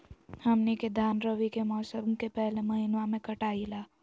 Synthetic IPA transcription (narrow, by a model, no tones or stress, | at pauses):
hɐmneked̪ʱaːnɾəʋikemɔːsəmkepɛɦlemɐɦɪnʋamẽkɐʈaːilaː